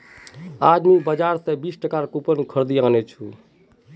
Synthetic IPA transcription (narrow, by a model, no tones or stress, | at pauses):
ad̪mibəd͡ʒaɾsẽbisʈəkaɾkupənkʰəɾd̪ianɛt͡ʃʰu